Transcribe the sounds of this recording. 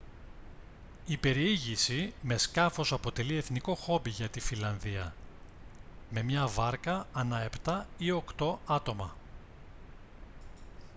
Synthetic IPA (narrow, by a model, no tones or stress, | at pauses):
ipe̞ɾiiʝisime̞skɐfo̞sɐpo̞t̪e̞lie̞θniko̞xo̞biʝɐt̪ifilɐnðiɐ | me̞mɲɐvɐɾkɐːnɐe̞pt̪ɐio̞kt̪o̞ɐt̪o̞mɐ